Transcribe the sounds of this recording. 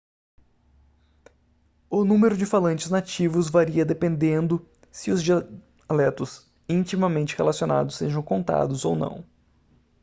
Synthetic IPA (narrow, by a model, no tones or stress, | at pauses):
ʊnũmeɾʊd͡ʒɪfalɐ̃t͡ʃɪznat͡ʃivʊzvaɾiɐd̪epẽnd̪ẽnd̪ʊ | sɪʊzd͡ʒia | lɛt̪ʊs | ĩnt͡ʃimɐmẽnt͡ʃɪhelasiona̰d̪ʊsːeʒɐ̃w̃kõnt̪a̰d̪ʊzownɐ̰̃w̃